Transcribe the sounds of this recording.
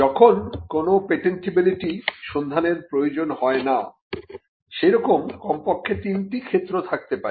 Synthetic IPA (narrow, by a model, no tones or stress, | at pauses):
d͡ʑɔkʰonkonopeʈenʈibiliʈiʃond̪ʱaneɾpɾojod͡ʑonhɔena | ʃeɾɔkomkɔmpokʰːet̪inʈikʰet̪ːɾot̪ʰak̚t̪epaɾe